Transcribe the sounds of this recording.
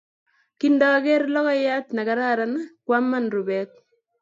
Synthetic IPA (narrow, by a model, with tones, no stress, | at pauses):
kindɔː˦kɛ˦rlɔ˦kɔ˦ja˦t̪na˨ka˨ɾa˦ɾana˦kwa˦mːa˦˨nɾu˨bɛ˦t̪̚